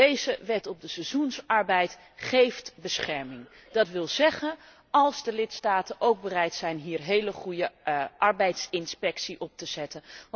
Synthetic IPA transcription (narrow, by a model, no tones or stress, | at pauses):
ejzəʋɛtɔb̚dəsazunsɑɹbɛjt | χejftbəsχɛɹmɪŋ | d̥ɑtʋɪlˠzɛχən | ɑlˠzdəlɪtstaːtənʔowɡ̚bərɛjtsɛjnɦiːɹɦejləχujəʔɑɹbɛjtsɪnspɛksiʔɔp̚təz̥ɛtən